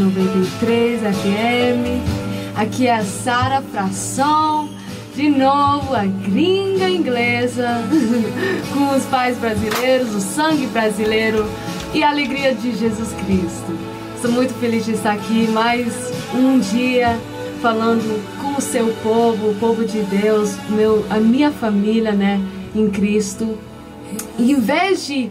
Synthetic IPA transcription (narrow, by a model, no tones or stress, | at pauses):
novẽt̪et̪ɾejzɐfeẽmɪakiɛsaɾɐfɾasɐ̃w̃ | d͡ʒɪnovʊɐɡɾĩɡɐĩɡlezɐ | kõʊspajzbɾazilejɾʊzʊsɐ̃ɡɪbɾazilejɾʊ | ɪɐaleɡɾiɐd͡ʒɪʒezuskɾist̪ʊ | est̪owmũj̃t̪ʊfelizd͡ʒɪst̪aɾakimajz | ũd͡ʒiɐ | falɐ̃nd̪ʊkõʊsewpovʊːpovʊd͡ʒɪd̪ewsʊmewɐmĩɲɐfamiliɐnɛẽj̃kɾist̪ʊ | ɪẽvezd͡ʒɪ